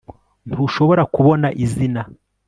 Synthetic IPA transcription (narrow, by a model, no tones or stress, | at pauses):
n̥tʰuːʃo̞βo̞ɾakuβo̞naʔizina